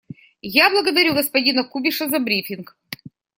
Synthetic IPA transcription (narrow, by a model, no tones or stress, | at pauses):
jablˠəɡəd̪ɐɾʲuɡəspɐdʲinɐkubʲɪʂəzɐbɾʲifʲɪnk